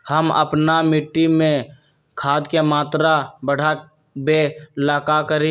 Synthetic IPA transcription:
həmə̰pnamɪʈːimẽ | kʰaːd̪kemaːt̪ɾabəɽ̤ʱa | belaːkakəɾẽ

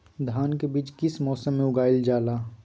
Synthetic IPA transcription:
d̪ʱaːnkebiːt͡ʃkɪsmɔːsəmːẽʊɡaːɪld͡ʒaːlaː

